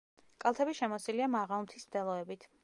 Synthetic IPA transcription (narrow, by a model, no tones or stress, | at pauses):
kʼalˠt̪ʰɛbiʃɛmɔsiliamaʁaumt̪ʰismd̪ɛlˠɔɛbit̪ʰ